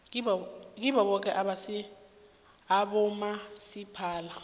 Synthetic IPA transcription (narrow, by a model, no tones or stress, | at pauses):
kk̬iɓɔɓɔk̬ʼɛʔaɓasi | aɓɔmasipʰaːla